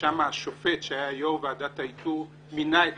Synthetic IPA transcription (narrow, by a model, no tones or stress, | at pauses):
amaːʃofetʃeajajomvead̪ataitu | minae